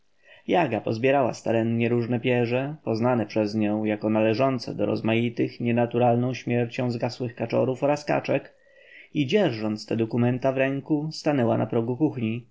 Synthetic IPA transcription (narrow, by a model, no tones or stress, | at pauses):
jaɡapɔzbʲjɛɾawa̰st̪aɾɛnɲɛɾuʐnɛpʲjɛʐɛpɔznanɛpʂɛzɲɔ̃w̃jakɔnalɛʐɔnt̪sɛ̰d̪ɔ̰ɾɔ̰zmajit̪ɘxɲɛnat̪uɾalnɔ̃w̃ɕmʲjɛɾt͡ɕɔ̃w̃zɡaswɘxkat͡ʂɔ̰ɾufɔɾaska̰t͡ʂɛk | id͡ʑɛɾʐɔnt̪st̪ɛd̪ɔkumɛnt̪avɾɛŋkust̪anɛwa̰nʔa̰pɾɔɡukuxɲi